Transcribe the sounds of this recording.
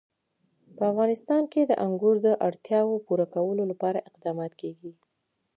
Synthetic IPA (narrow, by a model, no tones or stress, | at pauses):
pəafɣɑnɪst̪ɑnked̪əʔaŋɡuɾd̪əʔaɽt̪jɑwopuɾakawəlolapɑɾaʔɪqd̪ɑmɑt̪keɡi